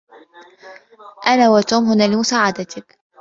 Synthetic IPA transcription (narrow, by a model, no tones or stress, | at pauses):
ʔanaːwat̪uːmhʊnaːlɪmʊsaːʕad̪at̪ɪk